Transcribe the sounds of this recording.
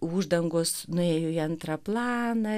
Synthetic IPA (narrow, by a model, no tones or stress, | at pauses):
uːʒd̪ɐŋɡoːsnʊeːjoːiɐnt̪ɾɐplˠɑːnɐ